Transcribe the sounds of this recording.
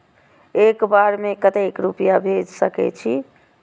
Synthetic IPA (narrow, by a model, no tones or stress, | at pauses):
ekbaɾmekət̪ekɾupijabʱed͡ʒsəkɛ̰t͡ʃʰi